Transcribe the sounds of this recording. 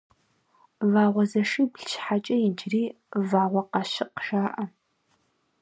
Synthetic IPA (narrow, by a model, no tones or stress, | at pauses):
vaːʁʷɔzɐʂibɬʃħat͡ʃʼɐjɪd͡ʒriː | vaːʁʷɐqɑʃɪqʒaːʔɐ